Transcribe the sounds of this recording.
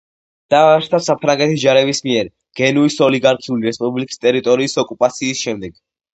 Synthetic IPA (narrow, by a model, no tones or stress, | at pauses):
d̪̥aɾt̪ʰasapʰɾaŋɡɛt̪ʰid͡ʒaɾɛbismiɛɾ | ɡ̥ɛnuisɔliɡaɾkʰiuliɾɛspʼublikʼi̥st̪ʼɛɾit̪ʼɔɾiːsɔkʼupʼat̪sʰiːsʃɛmd̪ɛɡ̥